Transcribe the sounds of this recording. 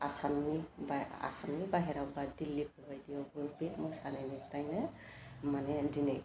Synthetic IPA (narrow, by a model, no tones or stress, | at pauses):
asamnibaa̰samnibaɦɛɾawbadilːipʰlajdijɔbɯbit̚mɔjsanɛnipʰɾajnɯ | manɛdinɛj